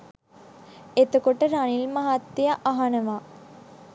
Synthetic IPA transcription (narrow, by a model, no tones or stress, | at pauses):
et̪əkoʈəɾanilmaɦat̪ːijaʔaɦanəʋaː